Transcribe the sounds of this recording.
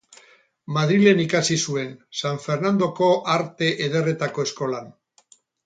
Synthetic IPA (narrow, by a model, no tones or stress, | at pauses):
maðɾile̞nikasisue̞nsaɱfe̞ɾnand̪o̞ko̞ʔaɾt̪e̞ʔeðe̞re̞t̪ako̞esko̞lan